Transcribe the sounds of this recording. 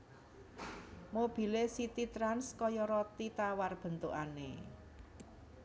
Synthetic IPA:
mob̥i̤lesit̪it̪ɾanskɔjɔɾɔt̪it̪awarb̥ə̤nt̪uʔanḛ

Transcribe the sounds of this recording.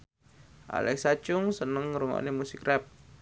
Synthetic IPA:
ʔa̰lɛ̰ksat͡ʃʊŋsənəŋɾuma̰ʔnimusikrɛp̚

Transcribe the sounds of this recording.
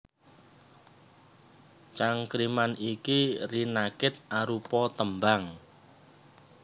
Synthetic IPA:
t͡ʃaŋkɾimanikirinakɪt̪̚ʔaɾupɔt̪əmbaŋ

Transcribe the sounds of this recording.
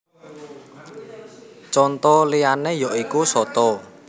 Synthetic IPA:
t͡ʃɔnt̪ɔlianejɔʔikusɔt̪ɔ

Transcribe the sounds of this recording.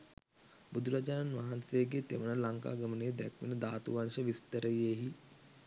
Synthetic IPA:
bud̪ʱuɾad͡ʒananʋaɦansejeɡeːt̪eʋənəlaŋka̰ːɡɐmənejd̪ɛkʋḭnəd̪aːt̪uʋanʃəʋist̪əɾəjeɦi

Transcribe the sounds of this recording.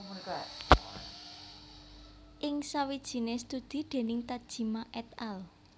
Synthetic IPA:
ma | ʔɪŋsawid̥ʒ̥i̤nest̪ud̪̥i̤d̪̥e̤nɪŋt̪ad̥ʒ̥i̤maʔɛt̪ɛl

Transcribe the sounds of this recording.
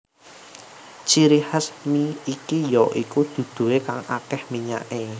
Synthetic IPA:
t͡ʃiɾihəsmiːkijɔʔikud̪̥ṳd̪̥ṳwekaŋa̰kɛhmiɲa̰ʔe

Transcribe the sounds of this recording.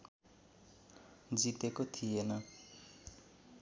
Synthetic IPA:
d͡zit̪ekot̪ʰijenʌ

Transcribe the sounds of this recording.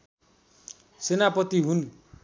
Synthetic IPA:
senapʌt̪iɦun

